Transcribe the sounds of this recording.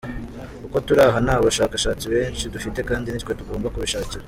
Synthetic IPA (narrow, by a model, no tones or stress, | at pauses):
kuko̞tuɾaɦanaːβaʃaːkaʃaːt͡siβe̞ːnt͡ʃidufite̞kaːndinickwe̞tuɡo̞ːmbakuβiʃaːciɾa